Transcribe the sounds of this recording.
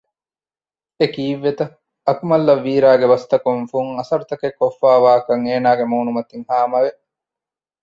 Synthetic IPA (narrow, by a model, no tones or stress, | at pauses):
ekiːʋːet̪ɐ | ɐkumɐlːɐʋːiːɾaːɡeʋɐst̪ɐkuŋfuŋɐsɐɾut̪ɐkekːofːaːʋaːkɐŋeːnaːɡemuːnumɐt̪iŋhaːmɐʋe